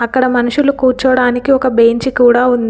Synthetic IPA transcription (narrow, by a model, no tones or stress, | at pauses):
ɐkːɐɽɐmɐnuʂulukuːɾt͡ʃɐʋɐɽaːnikiɔkɐbe̞ːɲt͡ʃikuːɽaːund̪i